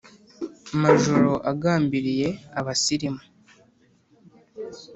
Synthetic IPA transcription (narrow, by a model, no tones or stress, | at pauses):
maʒoɾo̞ʔaɡaːmbiɾije̞aβasiɾimu̥